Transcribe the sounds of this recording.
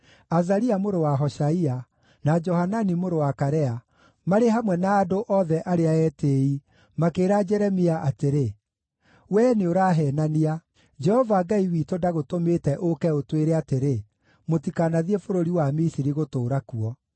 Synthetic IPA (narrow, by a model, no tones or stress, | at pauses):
azaɾiamoɾowaɦɔʃaia | nad͡ʒɔhananimoɾowakaɾɛa | maɾeɦamwɛnaːdoʔɔðɛʔaɾeaɛtei | makeːɾad͡ʒɛɾɛmiaʔateɾe | wɛːneoɾaːɦɛːnania | d͡ʒɛhɔvaɡaiwitodaɣotometɛʔokɛotweɾɛateɾe | motikanaðiefoɾoɾiwamisiɾiɣotoːɾakuɔ